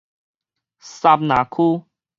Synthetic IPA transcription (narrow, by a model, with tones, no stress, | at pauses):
sa˧p̚nã˨˦kʰu˦